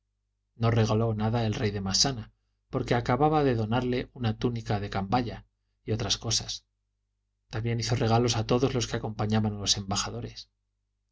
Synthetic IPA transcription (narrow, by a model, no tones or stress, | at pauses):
no̞re̞ɣalo̞naðae̞lrejðe̞masana | po̞ɾke̞akaβaβaðe̞ðo̞naɾle̞ʔunat̪unikaðe̞kambaʎa | io̞t̪ɾasko̞sas | t̪ambje̞niθo̞re̞ɣ̞alo̞sat̪o̞ðo̞zlo̞skeako̞mpaɲaβanalo̞se̞mbaxaðo̞ɾe̞s